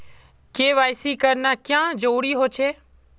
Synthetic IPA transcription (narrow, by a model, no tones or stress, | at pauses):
keːʋaːɪsiːkəɾnaːkjãːd͡ʒoːɽiːɦoːt͡ʃʰeː